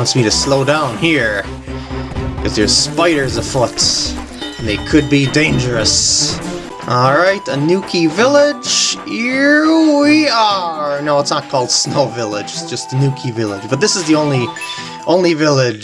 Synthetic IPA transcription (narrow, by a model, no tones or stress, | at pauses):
ɑ̃nsmiɾɨsloʊdãʊ̃nhiɹ | kʰʌzðə˞spaɪɾə˞zʌv̥fʊt | ə̃nðeɪkʰɨd̚bidẽɪ̃nd͡ʒə˞ɨs | ʔɔlˠɹaɪɾənʉkʰivɪlˠɪd͡ʒ̥hiɹwiənoʊətsnət̚kʰɔlˠd̥snoʊvɪlˠɪd͡ʒɨtsd̥ʒ̥ʌst̪ənjʉkʰivɪlˠɪd͡ʒbʌt̪̚ðɪsəzðiõʊ̃nli | ʔõʊ̃nlivɪlˠɪd͡ʒ